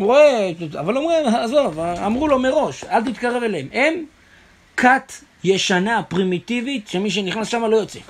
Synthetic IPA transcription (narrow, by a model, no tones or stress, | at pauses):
ʁoea̰valomuzovamʁulo̞meʁo̞ʃalt̪̬it̪kaʁe̞veleemʔem | kʰat̪ | jeʃanapʁimit̪ivit̪ʃemiʃ̬e̞niχnasʃamalo̞jot͡sḛ